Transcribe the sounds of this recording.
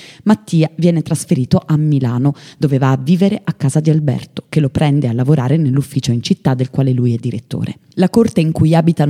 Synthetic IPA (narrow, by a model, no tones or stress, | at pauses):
mat̪ːiːavjɛːnet̪ɾasfeɾiːt̪oʔamːilaːnod̪ovevaːvːiːveɾeʔakːaːzad̪ialbɛ̰rt̪o̥kelopɾɛnd̪ealːavoɾaːɾenelːufːiːt͡ʃoint͡ʃit̪ːad̪ːelkwaːlelujɛd̪ːiɾet̪ːo̰ːɾʔḛ | lakort̪eiŋkujaːbit̪an